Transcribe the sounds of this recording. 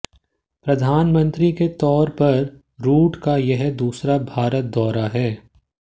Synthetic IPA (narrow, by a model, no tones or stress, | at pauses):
pɾɐd̪ʱaːnmə̃nt̪ɾiket̪ɔːɾpɐɾ | ɾuːʈkajɐɦd̪uːsɾabʱaːɾət̪̚d̪ɔːɾaɦɛː